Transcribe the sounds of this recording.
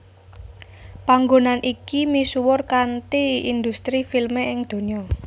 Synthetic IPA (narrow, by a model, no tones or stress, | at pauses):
paŋɡonanʔikimisuwʊrkant̪iind̪ust̪ɾifilmeʔɪŋd̪̥o̤niɔ